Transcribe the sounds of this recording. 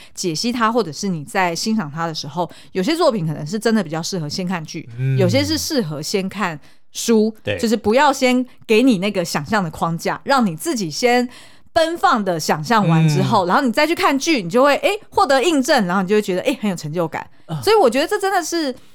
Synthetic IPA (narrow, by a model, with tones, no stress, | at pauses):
t͡ɕjɛ˨˩ɕi˥t̪ʰa˥xwɔ˥˩ʈ͡ʂɤ˨˩ʂɻ̩˥˩ni˨˩t͡sa˥˩ɪɕi˥nʂɑ˨˩ŋt̪ʰa˥d̪ə˨˩ʂɻ̩˧˥xo˥˩ʊ | jo˨˩ʊɕ̬jɛ˦t͡swɔ˥˩pʰi˨˦ŋkʰɤ˨˩nə˧˦ŋʂ̬ɻ̩˥˩ʈ͡ʂə˥nd̪ə˩pi˨˩t͡ɕjɑ˥˧ʊʂɻ̩˥˩xɤ˧˦ɕjɛ˥nkʰa˥˧nt͡ɕy̰˥˨˩jo˨˩ʊɕ̬jɛ˦˥ʂ̬ɻ̩˥˧ʂɻ̩˥˩xɤ˧˦ɕjɛ˥nkʰa˥˩n | ʂu˥t͡ɕo˥˧ʊʂɻ̩˥˩pu˧˥jɑ˥˩ʊɕjɛ˥nke˧˥ɪni˨˩na˥˩ɡə˩ɕjɑ˨˩ŋɕjɑ˥˩ŋd̪ə˩kʰwɑ˥ŋt͡ɕja̰˥˩ɻɑ˥˩ŋni˨˩t͡sɹ̩˥˩t͡ɕi˨˩ɕjɛ˦˥n | pə˦˥nfɑ˥˩ŋd̪ə˩ɕjɑ˨˩ŋɕjɑ˥˩ŋwa˧˦nʈ͡ʂɻ̩˥xo˥ʊɻa˧˥nxo˥˩ni˨˩t͡sɪt͡ɕʰy˥˧kʰa˥˧nt͡ɕy˥˩ni˨˩t͡ɕjo˥˧ʊxwe˥˧ɪʔe˥ɪxwɔ˥˩t̪ɤ˧˦i˥˧ŋʈ͡ʂə˥˩n˧nxo˥˩ni˨o˥˧wɥɛ˧d̪ə˧e˥ɪxə˧˥njo˨˩ʈ͡ʂʰə˧˥ŋt͡ɕjo˥˩ʊka̰˨˩˦n | swɔ˧˥i˨˩wɔ˨˩t͡ɕɥɛ˧˥d̪ə˨ʈ͡ʂɤ˥˩ʈ͡ʂə˥nd̪ə˨ʂɻ̩˥˩